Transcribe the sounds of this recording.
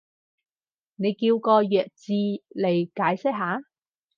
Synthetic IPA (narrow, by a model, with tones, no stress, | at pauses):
ne˨˧jkiː˧wkɔː˧jœː˨k̚t͡siː˧le˨˩jkaː˨˥jsɪ˥k̚ɦaː˨˥